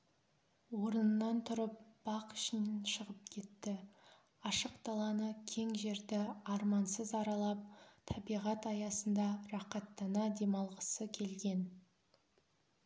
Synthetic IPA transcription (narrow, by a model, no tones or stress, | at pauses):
wo̞ɾənənːɑnt̪ʰʊɾəp̚b̥ɑqʏ̥ʃɪnnʃəʁəp̚kʲʰe̞t̪ːɪ | ɑʃəqt̪ɑlˠɑnəkʲʰe̞ŋʒe̞ɾd̪ɪɑɾmɑnsəzɑɾɑlˠɑp̚t̪ʰɑbijʁɑt̪ɑjɑsənd̪ɑɾɑqɑt̪ːɑnɑd̪e̞mɑlˠʁəsəkʲʰe̞lɡʲe̞n